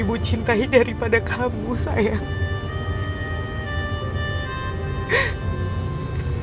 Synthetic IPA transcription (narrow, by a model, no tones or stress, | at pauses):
ibut͡ʃint̪aidaɾipadakʰamusa̰ja